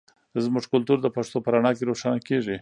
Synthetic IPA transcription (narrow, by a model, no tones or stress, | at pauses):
zmʊʐkʊlt̪uɾd̪əpaʂt̪opəɾaɳɑkeɾoʂanakeʐi